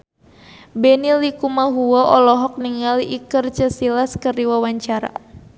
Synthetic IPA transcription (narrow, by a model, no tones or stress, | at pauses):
bɛnilikumaɦuɔʔɔlɔɦɔk̚niŋaliʔikərt͡ʃəsilaskərdiwawaɲt͡ʃaɾa̰